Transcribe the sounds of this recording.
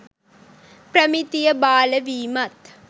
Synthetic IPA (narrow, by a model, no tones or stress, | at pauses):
pɾɐmit̪ijɐbaːlɐʋiːmɐt̪